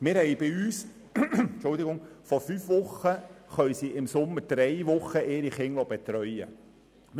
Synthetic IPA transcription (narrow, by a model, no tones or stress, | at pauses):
mɪːɾhɛɪbɪyːs | t͡ʃʊld̪ɪɡʊŋfɔɾfyːfʋʊχːəχœɥsiʔɪmsʊmːəɾd̥ɾɛɪʋʊχəʔeːɾiχɪŋlɔbet̪ɾœʏə̰